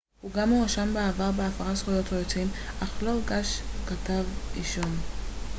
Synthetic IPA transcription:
huɡamuʁaʃambeavaʁbeafaʁasχujo̞tojot͡simʔaχloɡaʃkatavʁiʃon

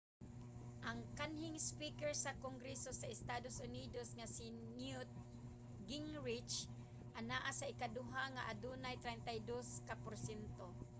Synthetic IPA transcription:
ʔaŋkanhɪŋspikɛɹsakoŋɡɾɛsosaɪst̪ad̪osʊnid̪osŋasɪ | njʊt̪̚ | ɡɪŋɹɪt͡ʃ | ʔanaʔasaɪkad̪ʊɦaŋaʔad̪unajt̪ɾɛnt̪ajd̪oskapʊɾsɛnt̪o

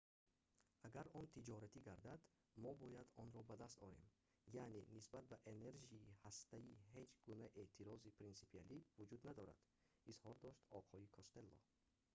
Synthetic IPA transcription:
aɡaɾɔnt̪ʰid͡ʒɔɾat̪ʰiɡaɾd̪ad̪ | mɔbɔjad̪ɔnɾɔbad̪ast̪ɔɾe̞m | janenisbat̪̚baʔene̞ɾʒiːhast̪æiɦe̞d͡ʒɡunæʔe̞ʔt̪ʰiɾɔzipɾinsi̥pʰialivud͡ʒud̪nad̪ɔɾa̰d̪̥ | izhɔɾd̪ɔʃt̪ɔqʰɔikʰɔst̪e̞lːɔ̰

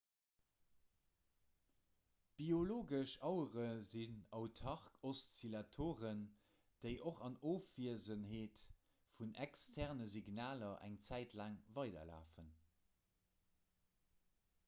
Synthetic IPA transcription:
b̥ioloːɡəʃɑʊəʁəzinɑʊtʰɑʁkʰost͡silɑtʰoːʁən | d̥əɪʔoχɑnoːfv̥iəzənheːt | funʔækstʰæʁnəziɡnaːlɐʔæ̰ŋt͡sæɪtʰlaːŋvɑɪdɐ̰la̰ːfən

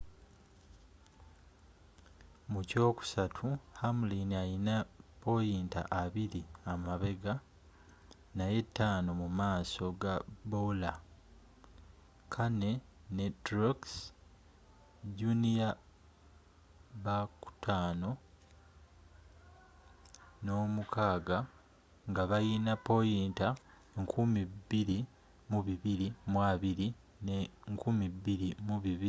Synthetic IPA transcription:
muco̞ːku̥satʰuhamuliniajinapo̞jiːnta̰ʔaβiɾiamaβe̞ɡa | naje̞tːaːno̞mumaːso̞ɡabola | kʰane̞ | netɾoks | ɟunija | βaku̥tʰaːno̞ | no̞ːmukʰaːɡa | ŋɡaβajiːnapo̞jiːnta | eŋkʰumibːiɾi | muβiβiɾimwaβiɾi | neŋkumibiɾimuβiβi

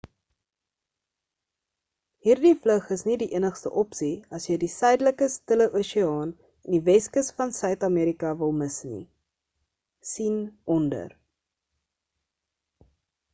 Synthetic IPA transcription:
ɦiːrdifləχəsnidiʔənəχstə̰ʔɔpsiɐsjədisœɥdələkəstələʔuʃiɑːn | ɛndivɛskəsfɐnsœɥtɑmiːɾikɐvəlˠməsnḭ | sinɔndə̰r

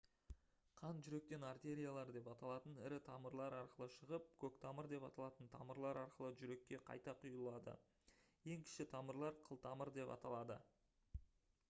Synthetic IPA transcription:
qʰɑnʒʏɾe̞k̚t̪e̞nart̪e̞ɾʲijalˠɑɾd̪e̞pɑt̪ɑlˠɑt̪ənɪɾɪt̪ʰɑməɾlˠɑɾɑɾqəlˠəʃəʁəp̚kʲʰɵkt̪ʰɑməɾd̪e̞pɑt̪ɑlˠɑt̪ənt̪ʰɑ̰məɾlˠɑɾɑɾqəlˠəʒʏɾe̞kʲːe̞qʰɑ̰jt̪ɑqʰʊjəlˠɑd̪ə̰ | je̞ŋkʲʰɪ̥ʃɪt̪ʰɑməɾlˠɑɾqʰəlˠt̪ʰɑməɾd̪e̞pɑ̰t̪ɑlˠɑd̪ə

